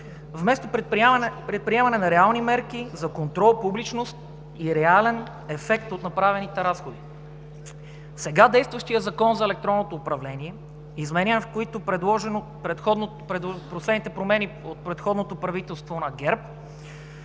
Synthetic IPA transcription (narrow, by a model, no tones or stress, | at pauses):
vmɛst̪oppɾɛt̪̚pɾiɛmɐnɛnɐɾɛalˠnimɛɾk̟izɐkont̪ɾɔlˠpublit͡ʃnost̪̚ | iɾɛalɛn | ɛfɛk̚t̪ot̪nɐpɾavɛnit̪ɛɾasxod̪i | sɛɡad̪ɛjst̪vɐʃt̪ijəzɐkɔnzɐɛlɛk̚t̪ɾɔnːot̪oːpɾɐvlɛniɛ | izmɛninfkoit̪opɾɛd̪lˠɔʒɛno | pɾɛt̪xɔd̪n | ɛpɾoslɛd̪nit̪ɛpɾomɛniot̪̚pɾɛt̪xɔd̪not̪opɾɐvit̪ɛlˠst̪vonɐɡɛɾp̚